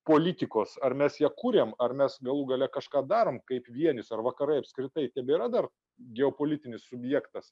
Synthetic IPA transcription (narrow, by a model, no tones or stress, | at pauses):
poːlʲit̪ʲɪkoːsɐrmʲɛsjɛːkuːɾʲeːmɐrmʲɛsɡɐlˠuːɡɐlʲɛkɐʃkɑːd̪ɑːɾoːmkɐɪpʋʲiɛnʲɪsɐrʋɐkɐɾɐɪɐpskɾʲɪt̪ɐɪt̪ʲɛbʲɛiɾɐd̪ɐr | ɡʲɛoːpoːlʲɪt̪ʲɪnʲɪssʊbʲjɛkt̪ɐs